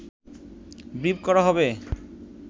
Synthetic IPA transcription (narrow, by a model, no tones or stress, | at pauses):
bɾibkɔɾaɦɔbe